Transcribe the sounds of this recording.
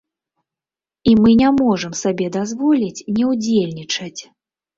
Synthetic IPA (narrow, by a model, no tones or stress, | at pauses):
imɨnʲamɔʐɨmsabʲɛd̪azvɔlʲit͡sʲnʲɛwd͡zʲelʲnʲit͡ʂɐt͡sʲ